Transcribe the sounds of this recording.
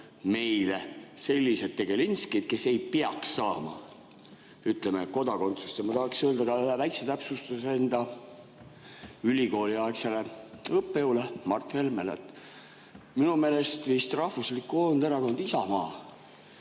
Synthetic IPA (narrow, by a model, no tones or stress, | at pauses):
me̞jle̞se̞lʲːise̞t̪ːe̞ɡ̥e̞linskid̪̥̚ke̞se̞jpeɑksːɑːmɑ̰ | yt̪ːˑlemeko̞d̪ɑko̞nt̪su̥st̪jɑmɑt̪ɑhɑksinøːld̪ɑɡɑyhevæjkset̪æpsust̪useend̪̥ɑ | ylʲiko̞ːliɑekseleɤpːeulemɑrt̪he̞lmelḛt̪ | minume̞ːle̞st̪vist̪rɑhvuslikːˑuo̞nd̪eɾɑko̞nd̪isɑmɑː